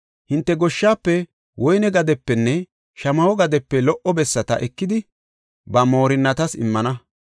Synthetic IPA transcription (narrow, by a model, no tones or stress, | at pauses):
hɪnt̪ːɛɡɔʃːaːpːɛ | wʔɔjnɛɡɐd̪ɛpːɛnːɛ | ʃɐmɐwɔɡɐd̪ɛpːɛlɔʔɔbɛsːɐt̪ɐ̰ʔɛkːɪd̪ɪ | bɐmo̞ːɾɪnːɐt̪ɐsɪ̰mːɐnɐ